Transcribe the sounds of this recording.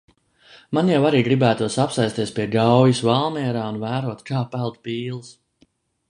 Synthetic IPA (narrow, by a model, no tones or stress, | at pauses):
manjawaɾiːɡɾibæːt̪uɔsapsajst̪iɛspʲiɛɡawjusvalˠmɛɛɾaːunvæːɾuɔt̪kaːpælˠd̪̚piːlˠs